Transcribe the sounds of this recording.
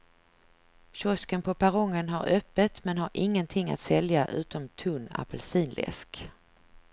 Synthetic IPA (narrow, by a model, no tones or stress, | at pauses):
ɕɔskənpʰɔpʰaɾɔŋːənɦaɾœpːət̪mɛnɦaɾʔɪŋːənt̪ʰɪŋːa̰t̪sɛljaʔʉ̟ːt̪ɔmt̪ʰɵnːa̰pəlsiːnlɛ̰sk